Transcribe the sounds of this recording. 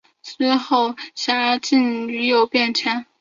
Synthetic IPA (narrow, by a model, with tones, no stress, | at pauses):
sɹ̩˥xo˥˩ʊɕja˧˥t͡ɕi˥˩ny˧˥jo˨˩ʊpjɛ˥˩nt͡ɕʰɛ˥n